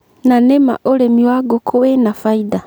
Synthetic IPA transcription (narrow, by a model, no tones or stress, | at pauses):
nanema̰ʔolemiwaɡokʰowenafaida